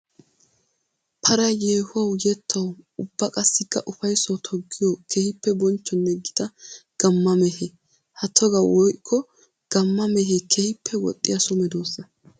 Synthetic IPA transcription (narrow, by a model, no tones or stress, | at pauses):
pʰɐɾɐjeːhʊwɐwjɛt̪ʰːɐwʊb̥ːɐkʼɐsːɪkːɐ̰ʔʊfɐjsɔt̪ʰɔɡːɪjɔkʰehɪpːɛbɔnt͡ʃːɔnːɛɡɪd̪ɐɡ̥ɐmːɐmɛhe | hɐt̪ʰːɔɡɐwɔjkʰːɔ | ɡ̥ɐmːɐmɛɦekʰehɪpːɛwɔ̰t̪ʼːɪjɐsʊmɛd̪oːsːɐ